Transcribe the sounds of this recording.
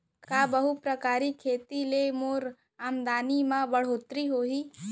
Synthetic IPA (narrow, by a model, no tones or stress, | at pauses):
kaːbəɦupɾəkaːɾikʰeːt̪ilemoːɾ | aːmd̪aːnimãbəɽ̤oːt̪ɾiɦoːɦiː